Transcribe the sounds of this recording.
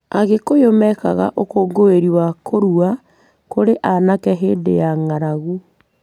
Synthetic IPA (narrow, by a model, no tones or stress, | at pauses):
aɣekojomɛka̰ɣa̰ʔokoːɡoeɾiwakʰoɾua | koɾeʔanakɛɦeːdḛjaŋaɾaɣu